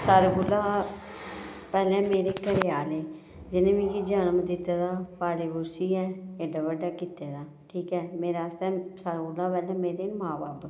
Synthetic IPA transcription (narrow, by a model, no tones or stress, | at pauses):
saːɾeɡʊlːaː | pɛːlɛ̃ːmeːɾeːkəɾeaːleː | d͡ʒɪnẽːʋĩkid͡ʒaːnəmd̪ɪt̪aːd̪aːpaːɾebʊɾsiːɛːeɖaʋəɖaːkiːt̪eːd̪aː | ʈʰiːkɛːmeːɾast̪ɛːsaːɾɡʊlːaːpɛːlɛ̃ːmeːɾenmaːbaːb